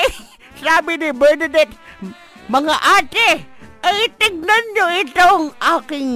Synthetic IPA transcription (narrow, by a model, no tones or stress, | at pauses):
saːbɪnɪbɛɹnɐd̪ɛt̪̚ | mɐŋaʔaːt̪ɪajt̪ɪɡ̚nanɲoɪt̪oŋʔaːkɪŋ